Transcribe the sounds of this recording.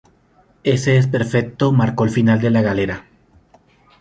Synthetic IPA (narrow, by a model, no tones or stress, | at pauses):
e̞se̞es̬pe̞ɾfek̚t̪o̞maɾko̞elfinald̪e̞laɣale̞ɾa